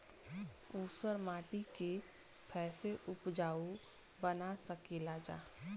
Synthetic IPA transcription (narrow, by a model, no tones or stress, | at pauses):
uːsəɾmaːʈike | pʰɛːseʔʊpd͡ʒaːu | bənasəkelad͡ʒa̰ː